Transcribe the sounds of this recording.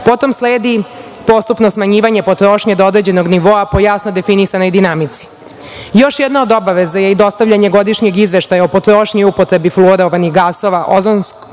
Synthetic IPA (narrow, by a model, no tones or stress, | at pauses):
po̞t̪o̞msleːd̪i | po̞st̪upno̞smaɲiːʋaɲepo̞t̪ɾo̞ːʃɲed̪ood̪ɾe̞d͡ʑe̞noɡniʋo̞apo̞jasno̞d̪e̞finisano̞jd̪inamit̪si̥ | jo̞ʃjɛd̪nao̞d̪o̞baʋezaje̞id̪o̞st̪aʋʎaɲe̞ɡo̞d̪iʃɲeɡizʋe̞ʃt̪ajaopo̞t̪ɾo̞ːʃɲojupot̪ɾe̞biflˠoɾoʋaniɣɡaso̞ʋaʔo̞zonsk